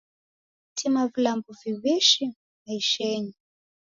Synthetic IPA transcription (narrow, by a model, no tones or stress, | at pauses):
tʰimavilambuviwiʃi | aiʃɛːɲi